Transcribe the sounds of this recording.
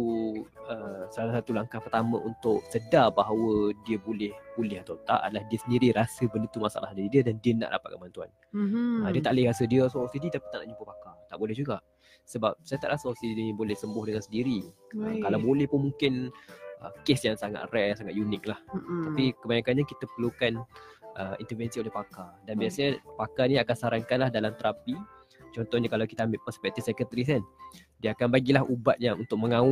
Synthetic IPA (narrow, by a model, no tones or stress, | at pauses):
uəsalasat̪ulaŋkahpərt̪amə̰̃ʔunt̪ʊʔsədabaɦawədiəbolɛhbolɛhat̪awt̪a̰ʔadəlahdiəsəndiɾiɾasəbəlut̪umasa̰lahdəidiədandiəna̰ʔda̰pat̪̚kəbant̪ua̰n | ədiət̪aʔlɪhɾasədiəsoosidit̪api̥t̪aʔna̰ʔɲupəpakat̪aʔbolɛhd͡ʒuɡaʔ | səbap̚sajat̪aʔɾasəosidibolɛhsəmbʊhdəŋansəndiɾiəkalawbolɛhpʊnmuŋkɪnə̰kesjaŋsaŋa̰t̪̚rɛjasaŋat̪̚junɪk̚laht̪apikəbajaŋkanɲakit̪əpəlukanʔəint̪ərvɛnsiolɛhpakadanbiasaɲapakaniakansaɾaŋkanlahdalamt̪əɾapi | t͡ʃɔnt̪ɔhɲakalawkit̪əambɪlpəspɛk̚t̪ifsɛkət̪əɾis̬an | diəakanbaɡilaɦubat̪̚jaŋṵnt̪ʊk̚məŋaʊ